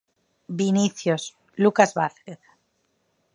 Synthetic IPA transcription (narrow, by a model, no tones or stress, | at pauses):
biniθjos | lukazβaθkeθ